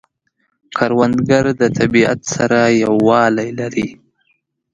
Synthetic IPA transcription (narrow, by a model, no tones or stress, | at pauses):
kʰɑɾwand̪ɡaɾd̪ət̪ʰabia̰t̪saɾajawːɑlajlaɾi